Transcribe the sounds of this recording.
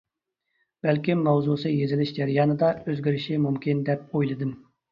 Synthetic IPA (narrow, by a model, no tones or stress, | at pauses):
b̥ælkʲimːɑwzusɨjezɪlɪʃd͡ʒæɾijɑːnɨd̪ɑøzɡʲiɾɪʃɪmumkʲind̪ɛp̚ojlˠɨd̪ɨm